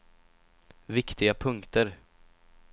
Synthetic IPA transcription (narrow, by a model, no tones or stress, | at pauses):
vɪkt̪ɪɡapʰɵŋkt̪əɾ